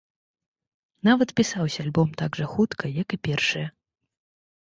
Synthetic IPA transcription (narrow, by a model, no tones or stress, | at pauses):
navɐt̪pʲisawsʲɐːlʲbɔmt̪aɡʐɐxut̪kʰɐjɐkɨpʲɛrʂɨjɐ